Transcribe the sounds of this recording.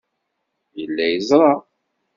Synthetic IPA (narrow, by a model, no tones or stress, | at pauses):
jəlːæjəzˤɾˤɑ